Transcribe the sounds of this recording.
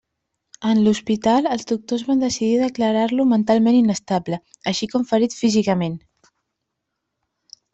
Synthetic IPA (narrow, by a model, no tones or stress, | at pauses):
ənluspit̪alˠəlˠzd̪uk̚t̪ozβand̪əsiðiðəkləɾaɾlumənt̪alˠmeninəst̪abləəʃikɔɱfəɾit̪fizikəmen